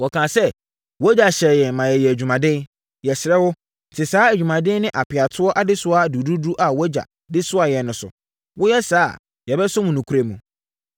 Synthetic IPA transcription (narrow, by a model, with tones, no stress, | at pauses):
wɔ˨kʰãː˨sɛ˦ | wɔ˦d͡ʑa˨ɕɛ˨jɛ˨mã˨jɛ˨jɛ˨æ˨d͡ʑᶣu˨mã˨dɪ̃˦n | jɛ˨sɪ˨ɾɛ˦wʊ˦ | n̩˨tʰɪ˨saː˨˦æ˨d͡ʑᶣu˨mã˨dɪ̃˦nɪ̃˦ʔa˨pʰɪ˨a˨tʰʊ˦ɔ˦ʔa˨dɪ˦sʊ˦a˦˨du˨du˦du˦ʔa˨wɔ˦d͡ʑa̰˨ | dɪ˦sʊ˦a˨jɛ˨nʊ̃˨sʊ̰˨ | wʔʊ˦jɛ˦saː˦˨ | jɛ˨bɛ˦sʊ˦mũ˨nũ˨kʰu˦ɾe˨mũ˨